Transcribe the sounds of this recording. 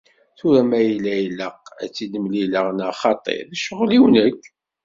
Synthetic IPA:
θʊɾæmæjilːæjləqæ̰t͡sːiləmliləʁnaχɑt̪ˤḛɾæʃəʁliwnəkː

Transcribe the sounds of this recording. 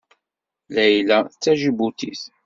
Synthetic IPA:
læjlæθət͡sːæʒibut̪ḭθ

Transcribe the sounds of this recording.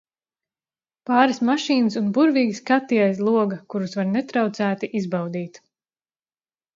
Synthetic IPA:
paːɾasmaʃiːnɨsunbuɾviːɡiskat̪ːijajslˠuɔɡakuɾusvaɾnɛt̪ɾawt̪sæːt̪iʔizbawd̪iːt̪

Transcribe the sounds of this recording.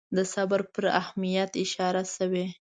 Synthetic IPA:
d̪əsabaɾpəɾa̰hmijat̪ɪʃɑɾasəwe

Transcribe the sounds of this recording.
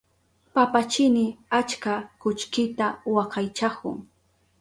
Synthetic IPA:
papat͡ʃɪnɪat͡ʃkakʊt͡ʃkɪt̪awɑqɑjt͡ʃakʊ̰ŋ

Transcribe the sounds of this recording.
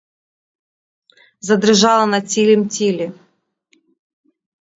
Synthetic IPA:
zɐd̪ɾɪʒɑlˠɐnɐt͡sʲilʲɪmtʲilʲi

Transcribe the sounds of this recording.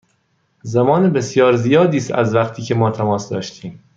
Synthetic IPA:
zæmɒːnebe̞sjɒːɾzijɒːd̪iːst̪æ̰zvæχt̪ʰiːcʰemɒːt̪ʰæmɒːsd̪ɒːʃt̪ʰiːm

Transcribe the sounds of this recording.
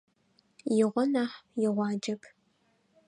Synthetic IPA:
jɪʁʷɔnaːħjɪʁʷɑːd͡ʒɐkʰ

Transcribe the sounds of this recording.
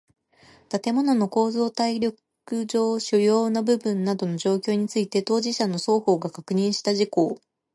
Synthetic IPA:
t̪at̪e̞mo̞no̞no̞ko̞ːzo̞ːt̪aiɾʲo̞k | ɯ̟d͡ʑo̞ːɕɨjo̞ːnabɯ̟bɯ̟̃nːad̪o̞no̞ʑo̞ːkʲo̞ːɲ̟it͡sɨit̪e̞t̪o̞ːʑiɕano̞so̞ːho̞ːɡakakɯ̟ɲ̟ĩɰ̃ɕi̥t̪aʑiko̞ː

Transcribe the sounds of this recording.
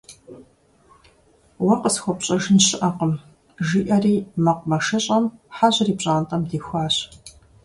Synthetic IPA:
wɐqəsxʷɔpɕʼɐʒɨnɕɪʔɐqəm | ʒiːʔɐriːmɐqʷmɐʂɐɕʼɐmħaʑriːpɕʼaːntʼɐmdeːxʷaːɕ

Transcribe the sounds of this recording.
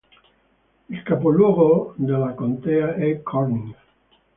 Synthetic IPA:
elkapolwoɣod̪elakõnt̪eaekʰoɾniŋ

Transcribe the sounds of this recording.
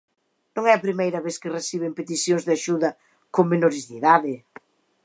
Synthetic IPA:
nõŋɛɐpɾimejɾɐβeskɪresiβempet̪isjoŋzðɪaʃuðɐ | koŋmenoɾɪzðiðaðɪ

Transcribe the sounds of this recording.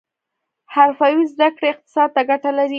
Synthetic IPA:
haɾfawizd̪akɽeɪq̚t̪ɪ̥sɑd̪̚t̪aɡaʈalaɾi

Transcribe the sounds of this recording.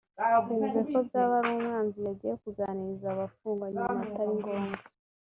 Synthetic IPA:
eizeko̞bɟaːβaɾoːmwaːnzijaɟiːje̞kuɡanizaβafuːŋɡaɲaataɾiŋɡo̞ːŋɡa

